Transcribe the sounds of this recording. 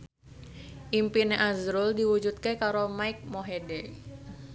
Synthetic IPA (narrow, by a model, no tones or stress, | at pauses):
ʔimpineʔazɾʊldiwud͡ʒut̪̚kekaɾomaɪk̚moɦede